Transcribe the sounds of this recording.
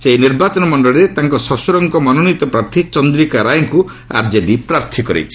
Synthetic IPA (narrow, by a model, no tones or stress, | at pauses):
seiniɾbat͡ʃɔnɔmɔɳɖɔɭɔɾet̪aŋkɔsɔsuɾɔŋkɔmɔnɔnit̪ɔpɾaɾt̪ʰit͡ʃɔnd̪ɾikaɾajɔŋku | a̰ɾd͡ʒeɖipɾaɾt̪ʰikɔɾḛt͡ʃʰi̥